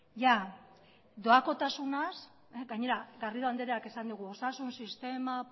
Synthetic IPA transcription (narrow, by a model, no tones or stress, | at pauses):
ʝa | d̪o̞ako̞t̪asunas | eɡaɲe̞ɾaɣariɾoand̪eɾeake̞sand̪uɣ̞uo̞sasunsist̪e̞ma